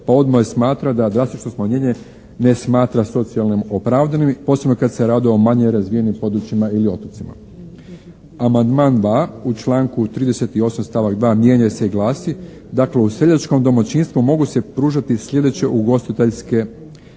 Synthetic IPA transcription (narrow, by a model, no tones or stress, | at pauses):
pao̞d̪maesmaːt̪ɾad̪ad̪ɾast̪it͡ʃno̞smaɲeɲe | ne̞smaːt̪ɾaso̞t̪sialˠnimo̞pɾaːʋd̪animpo̞sebno̞kad̪se̞ɾaːd̪io̞maɲeɾazʋije̞nimpo̞d̪ɾut͡ʃimailio̞t̪ot̪sima̰ | amand̪maːnd̪ʋaːut͡ʃlˠaːŋkut̪ɾiːd̪e̞se̞t̪io̞samst̪aːʋaɡd̪ʋaːmje̞ɲaseiɡlˠaːsi | d̪akle̞use̞ʎat͡ʃko̞md̪o̞mat͡ɕinst̪ʋumo̞ɡuse̞pɾuːʒat̪isʎʲe̞d̪e̞t͡ɕe̞ʔuɡo̞st̪it̪eʎske̞